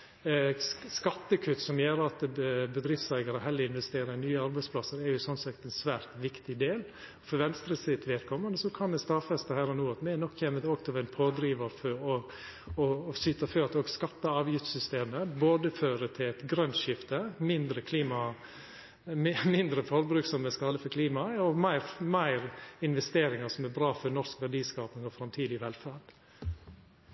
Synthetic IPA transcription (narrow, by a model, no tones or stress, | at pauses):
skɑt̪ːəkʰʉt̪ːsɔmjeːɾɑt̪bəd̪ɾɪft̪sæɪɡɑɾəhɛlːəɪnʋɛst̪eːɾənyːəɑɾbæɪspʰlɑsəɾɛɾjʊsɔnsɑkt̪ɛnsʋæːɾt̪ʋɪkt̪ɪd̪eːl | ɔfɔɾʋɛnst̪ɾəsɪt̪ʋeːt̪kʰɔmənəsɔkʰɑnd̪ɛst̪ɑfɛst̪əhæːɾɔnuːɑt̪mɛɛnɔkːçɛmət̪okt̪ʰɪlæɪnpʰoːd̪ɾiːʋəɾfɔɔ | ɔːsʏt̪ːɑføːɾt̪ɔɡskɑt̪ːəɑːʋjɪft̪sʏst̪eːməboːd̪əføːɾət̪ʰɪlɛt̪ɡɾœnʃɪft̪əmɪnd̪ɾəkʰliːmɑ | mɪnd̪ɾəfɔɾbɾʉːksɔmːəskɑləfɔɾkʰliːmɑɔmæɪɾmæɪɾɪnʋɛst̪eːɾɪŋɑsɔmæbɾɑːfɔɾnɔskʋæɖiːskɑːpnɪŋɔfɾɑmt̪ʰiːd̪ɪʋɛlfæːɖ̥